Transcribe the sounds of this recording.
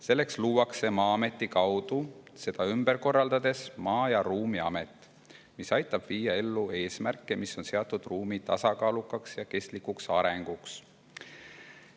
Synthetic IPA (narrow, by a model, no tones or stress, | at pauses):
se̞lːe̞ksluːwɑkse̞mɑːɑme̞t̪ˑːikɑwd̪use̞d̪̥ɑymbeɾko̞rːɑld̪̥ɑd̪̥e̞smɑːjɑɾuːmiɑ̰me̞t̪ːˑ | misɑjt̪ːˑɑb̥viːjːɑe̞lːue̞ːsmærkːˑemiso̞nse̞ɑt̪ːˑud̪̥ruːmit̪ɑsɑkɑːlukːˑɑksjɑke̞st̪likːˑuksɑɾeŋɡ̥uks